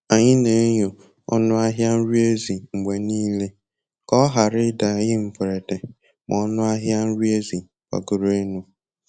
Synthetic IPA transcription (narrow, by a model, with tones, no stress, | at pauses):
a˨ɲɪ˦ne˨˦ɲo˨ | ɔ̰˦nʊ˦a˦ɦja˦n̩˦ɾi˦e˦zi˨ŋ͡m̩˨ɡ͡be˨niː˦le˦ | kɔ˦ɦa˨ɾɪ˦da˨jɪ˦m̩˨pʊ˨ɾe˨de˨ | mɔ˨ɔ˦nʊ˦a˦ɦja˦n̩˦ɾi˦e˦zi˨ | ka̰˨ɡʊ˨ɾe˦nu˦